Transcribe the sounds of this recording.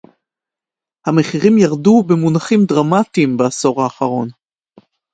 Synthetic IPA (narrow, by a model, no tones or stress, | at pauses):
hameχiʁimjaʁdubemunaχimdʁamatimbeaso̞ʁaːχaʁo̞n